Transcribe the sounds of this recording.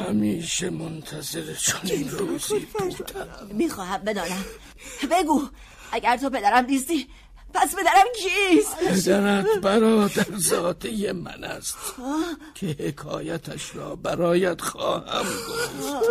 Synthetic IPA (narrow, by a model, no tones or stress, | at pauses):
hæmiːʃemont̪ʰæze̞ɾet͡ʃʰoninɾuziː | miːxɒːhæmbe̞d̪ɒːnæm | be̞ɡuː | ʔæɟæɾt̪ʰo̞pe̞d̪æɾæmd̪iːs̬t̪iː | pʰæspe̞d̪æɾæmkʰispʰed̪æɾæt̪bæɾɒːd̪æɾzɒːt̪ejemæ̰næst̪ː | cʰehekʰɒːjæt̪ʰæʃɾɒːbæɾɒːjæd̪̥xɒːhæ̰mɡo